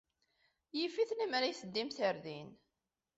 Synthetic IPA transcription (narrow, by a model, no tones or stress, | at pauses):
jifiθnimaɾajθəd̪ːimθəɾðin